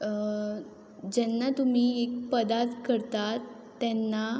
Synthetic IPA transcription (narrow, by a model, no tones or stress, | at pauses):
d͡ʑɛnːat̪um̤iːek̚pəd̪aɾt̪kəɾt̪at̪ː | ɛnːa